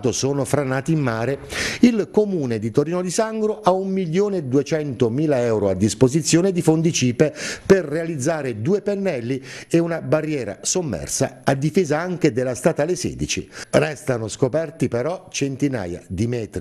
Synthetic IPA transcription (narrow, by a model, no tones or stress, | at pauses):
t̪osoːnofɾanaːt̪iːmːaːɾeilkomuːned̪it̪oɾiːnod̪isaŋɡɾoʔaumːiʎjoːned̪uet͡ʃɛnt̪omiːlaɛwɾoad̪ːispozit̪sːjoːned̪ifond̪it͡ʃiːpeperːealid̪zːaːɾed̪uːepenːɛlːieunabarːjɛːɾa̰somːɛ̰rsa̰ad̪ːifeːzaaŋk̟ed̪elːast̪aːt̪alesɛ̰ːd̪it͡ʃḭrɛst̪anoskopɛrt̪ipeɾɔt͡ʃent̪ina̰ːja̰d̪imɛːt̪ɾ